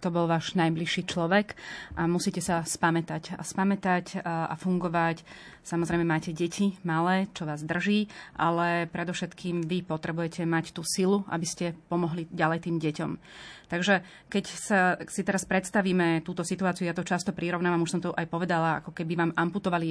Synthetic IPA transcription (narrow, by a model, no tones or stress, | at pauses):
t̪ɔbɔlʋaːʒnajbliʃːiːt͡ʃlɔʋɛkʔamusiːcɛsaspamɛt̪aca̰spamɛt̪aca̰fuŋɡɔʋacsamɔzɾɛɪmɛmaːcɛɟɛcʰimalɛːt͡ʃɔʋaːzd̪r̩ʒiːʔa̰lɛpɾɛd̪ɔfʃɛt̪kiːmʋipɔt̪ɾɛbujɛcɛmact̪uːsilua̰biscɛpɔmɔɦliɟalɛjt̪iːmɟɛcɔm | t̪aɡʒɛ | kɛcsasit̪ɛɾaspɾɛt̪st̪aʋiːmɛt̪uːt̪ɔsit̪uaːt͡siuʊjat̪ɔt͡ʃast̪ɔpɾiɾɔʊnaːʋamuʃsɔmt̪ɔʔajpɔʋɛd̪alaa̰kɔkɛbiʋaːmamput̪ɔʋali